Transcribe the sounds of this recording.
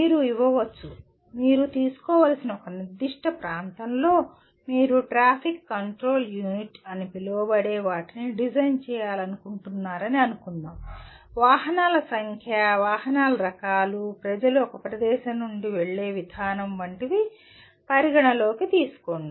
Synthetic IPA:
miːɾuiʋɐʋɐt͡ʃːu | miːɾut̪iːsu̥kɔːʋaːlɐsinɐɔkɐniɾd̪iʂʈɐpɾaːnt̪ɐmlo̞ː | miːɾuʈɾaːpʰikːɐɳʈɾo̞ːljuːniʈɐnipiloːbɐɽɛːʋaːʈiniɖid͡ʒɐjnt͡ʃɛːjaːlɐnukuɳʈunːaːɾɐniɐnukund̪aːm | ʋaːɦɐnaːlɐsɐŋkʰjɐʋaːɦɐnaːlɐɾɐkaːlupɾɐd͡ʒɐluɔkɐpɾɐd̪ɛːʃɐnːuɳɖiʋeɭːeːʋid̪ʱaːnɐmʋɐɳʈiʋi | pɐɾiɡɐɳɐlo̞ːkit̪iːsu̥koɳɖu

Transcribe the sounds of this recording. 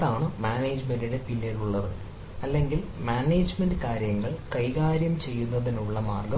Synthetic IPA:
aːɳɨmaːneːd͡ʑmendiɽe̞pilːjɐɾuɭːɐðɨ | ɐlːeŋɡilmaːne̞ːd͡ʑmendɨkaːɾjɐŋːɐɭkɐjɣaːɾjɐmt͡ɕe̞jːunːɐðinuɭːɐmaːrɡɐ

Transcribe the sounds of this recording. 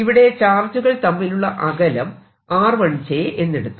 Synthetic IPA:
iʋiɽe̞t͡ɕaːrtuɣɐɭt̪ɐmːiluɭːɐʔɐɣɐlɐm | aːrʋɐɳt͡ɕeʔe̞nːeɽut̪ːu̥

